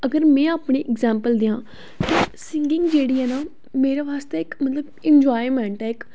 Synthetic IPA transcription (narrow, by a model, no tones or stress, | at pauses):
əɡəɾmɛ̃ːaːpɳiːʔɪɡzɛːmpəld̪ɪãː | k̪esɪŋɡɪŋɡd͡ʒeːɽiːɦɛːnaː | meːɾeːʋaːst̪eːɪkmət̪ləbɪnd͡ʒaːimɛ̃ːɳʈɦɛːɪk